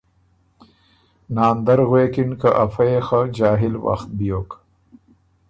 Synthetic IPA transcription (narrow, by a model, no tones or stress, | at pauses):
naːnd̪ɐɾɣweːkinkaʔɐfɐexad͡ʑaːɦɪlwa̰xt̪̚bijoːk